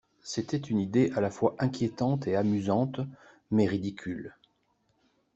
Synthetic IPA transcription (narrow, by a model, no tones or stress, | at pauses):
set̪ɛt̪ynid̪eʔalafwaʔɛ̃kʲjet̪ɑ̃t̪eamyzɑ̃t̪ | mɛʁid̪ikʲyl